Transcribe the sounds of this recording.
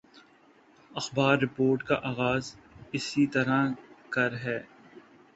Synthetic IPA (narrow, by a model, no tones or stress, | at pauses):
ɐxbaːɾːɪpoːɾʈkaʔaːɣaːzɪsit̪ɐɾakɐɾɦɛː